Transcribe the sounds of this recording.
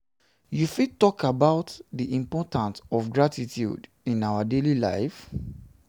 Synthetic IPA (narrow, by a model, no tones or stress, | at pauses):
jufitɔkabaʊtdiʔĩmpɔtãntɔfɡɹatitʰjṵd | ĩnawadelila̰ɪf